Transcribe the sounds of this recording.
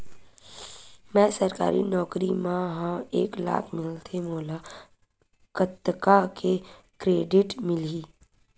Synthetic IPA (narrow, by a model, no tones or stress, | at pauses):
mɛ̃ːsɐɾka̰ːɾḭnɔːkɾimãɦãeːkla̰ːkʰmɪlt̪ʰemoːla | kət̪ːkake | kɾeːɖɪʈmɪliː